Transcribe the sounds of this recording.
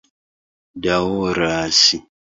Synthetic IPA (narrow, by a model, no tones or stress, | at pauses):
dawoɾaːsi